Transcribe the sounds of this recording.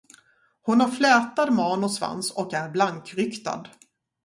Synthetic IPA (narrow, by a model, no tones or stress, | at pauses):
hʊnhaɾflɛːt̪ad̪mɑːnʊsva̰nsɔkæɾblaŋkɾʏkt̪a̰d̪